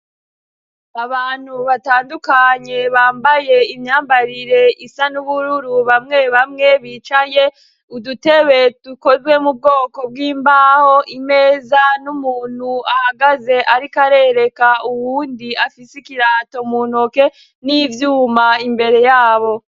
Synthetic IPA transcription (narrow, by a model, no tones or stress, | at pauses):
aβaːn̥huβataːndukaɲe̞βaːmbaje̞imɲaːmbaɾiɾe̞isanuβuɾuɾuβamŋe̞βamŋe̞βit͡ʃaje̞ | udute̞βe̞tuko̞zɡwe̞mub̚ɡo̞ːko̞b̚ɡiːmbaːho̞ʔime̞ːzanumuːn̥huahaɡaze̞ʔaɾikaɾe̞ɾe̞kauwuːndiafisikiɾaːto̞muːnoke | nivjuːmaimbe̞ɾe̞jaːβo̞